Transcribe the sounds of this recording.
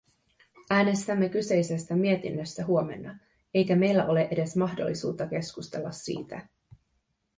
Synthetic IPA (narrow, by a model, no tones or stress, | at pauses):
æːne̞st̪æmːe̞kyse̞jse̞st̪æmie̞t̪ḭnːøst̪æɦuo̞me̞̰nːɑ | e̞jkæme̞jlːæʔo̞le̞ʔe̞de̞smɑhdo̞̰lːisṵːt̪ːɑk̟e̞skust̪e̞lːɑ̰sːḭːt̪æ